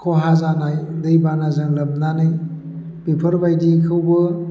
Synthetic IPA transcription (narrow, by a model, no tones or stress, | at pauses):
kʰɔɦazanajlɯjbanazɯŋlɐb̚nanɯj | bepʰəɾbajdikʰɯwbɯ